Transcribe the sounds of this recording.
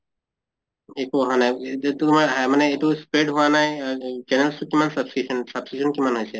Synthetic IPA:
ekuɔɦanajetumaɦamanɛetuspɹeɖɦuwanajd͡ʒɛnɛlstukimansbsisnsabsisɔnkimanɦojsɛ

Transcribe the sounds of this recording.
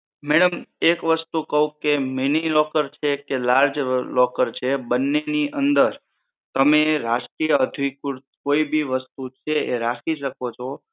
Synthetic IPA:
mɛɽəmekʋəst̪ukəɦũkeminilɔkəɾt͡ʃʰekelaɾd͡ʒlɔkəɾt͡ʃʰebənːeniʔənd̪əɾ | t̪əmeɾaʃʈɾijəəd̪ʱikuɾt̪koibʱiʋəst̪ut͡ʃʰeʔeɾakʰiʃəkot͡ʃʰo

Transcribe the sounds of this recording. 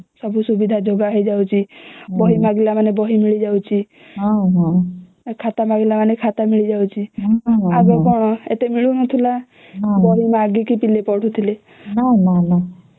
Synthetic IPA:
sɔbʱusubid̪ʱad͡ʒoɡaɦejd͡ʒawt͡ʃʰibɔɦimaɡilamanebɔɦimiɭid͡ʒawt͡ʃʰi | ɦãɦã | kʰat̪amaɡilamanekʰat̪amiɭid͡ʒawt͡ʃʰi | aɡɔkɔɽ̃ɔḛt̪emiɭunɔt̪ʰila | bɔɦimaɡikipilepɔɽ̤ʰut̪ʰile | nanana

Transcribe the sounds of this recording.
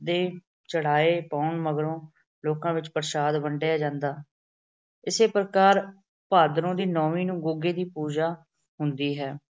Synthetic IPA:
d̪eː | t͡ʃəɽ̤aːeːpaːʊɳməɡɾõː | loːkãːʋɪt͡ʃpəɾʃaːd̪bəɳɖeːaːd͡ʒãːnd̪aː | ɪseːpəɾəkaːɾ | paːd̪ɾõːd̪iːnɔːʋĩːnũːɡʊɡeːd̪iːpuːd͡ʒaː | ɦʊnd̪iːɦɛː

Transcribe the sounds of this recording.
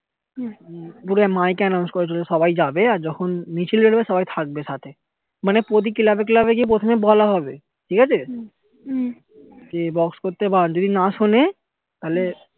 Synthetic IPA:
puɾemajkeɛnaw̃nskoɾet͡ɕoleʃɔbajd͡ʑabeaɾd͡ʑɔkʰonːit͡ɕelbelbeʃɔbajt̪ʰak̚beʃat̪ʰe | manepɾot̪̬ikilabek̬ilabek̬ip̬ɾot̪ʰomebɔlaɦɔbe | ʈʰikat͡ɕʰe | d͡ʑebɔkskoɾt̪eband͡ʑod̪inaʃone | t̪aɦle

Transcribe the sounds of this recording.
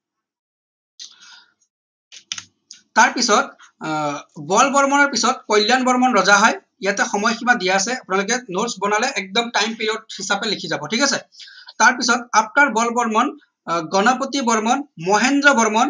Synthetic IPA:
taɹpisɔt̚ | bɔlbɔɹmɔnɔɹpisɔt̚kɔjljanbɔɹmɔnɹɔzaɦɔj | ijatɛxɔmɔjximadijaːs̬ɛapʊnalʊk̬ɛnoɹsbɔnalɛʔɛk̚dɔmtajmpeɹiod̚hisapɛlikʰizabɔtʰikasɛtaɹpisɔtapnaɹbɔlbɔɹmɔn | ɡɔnɔpotibɔɹmɔnmɔɦɛndɹɔbɔɹmɔn

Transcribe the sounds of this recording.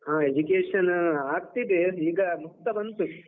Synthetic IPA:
ɦãːed͡ʒukeːʂɐnaːɡ̚t̪id̪eiːɡɐmut̪ːɐbɐnt̪u

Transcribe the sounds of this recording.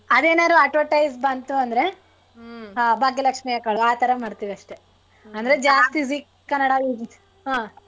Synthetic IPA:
ɐd̪eːnaːɾuɐʈoʈɐjsbɐnt̪uɐnd̪ɐɾe̞ | baːɡjɐlɐkʂmijɐkɐɭaːt̪ʰɐɾɐmɐɽt̪iːʋiɐʂʈe̞ | ɐnd̪ɐɾed͡ʒaːst̪isik | kːɐnːɐɽajuːd͡ʒ | aː

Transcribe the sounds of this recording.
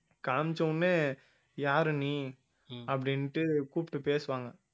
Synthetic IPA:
kaːmt͡ʃːɐnːeː | jaːɾɯniː | ɐpːɐɽɪnʈːɯkuːpɪʈːɯpeːsɯʋaːŋɡɐ

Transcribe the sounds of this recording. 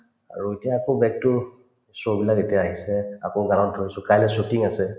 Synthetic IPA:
a̰ɹuetijaːkobɛk̚tʊ | sobilaketijaːɦisɛa̰koɡaantʰojsʊkajlɛsotiŋasɛ

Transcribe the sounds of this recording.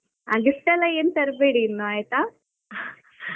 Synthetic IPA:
ɐ̰ɡisʈɛlːɐeːnt̪ɐɾbeːɽiːnːoaːjt̪a

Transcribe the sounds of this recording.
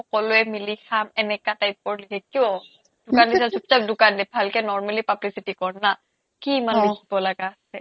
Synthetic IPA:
ɔkɔloɛmilixamɛnɛkatajp̚ːɔɹlikʰɛkiɔ | d̥ʊkandisɛtʰup̚tadʊkandɛbʱalkɛnɔɹmalipablisitikɔɹna | kimanlikʰibɔlaɡaːsɛ

